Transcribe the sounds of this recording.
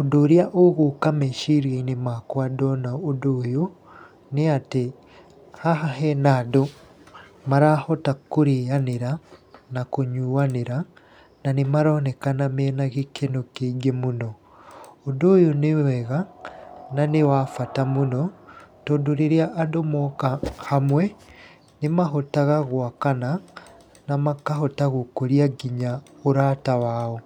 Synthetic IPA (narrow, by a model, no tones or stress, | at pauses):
odoɾjaʔoɣokameʃiɾjainemakwadɔnaodoːjo | neate | hahaɦɛnado | maɾahɔtakoɾijaneɾanakoɲuːaneɾa | nanemaɾɔnɛkanamenaɣekenokeɡemunɔ | odojonewɛɣa | nanewaːfatamunɔtodoɾeɾeaʔːdomɔkahamwɛ | nemaɦotaɣaɣwakana | namakaɦotaɣokoɾiaɡiɲaoɾatawaːɔ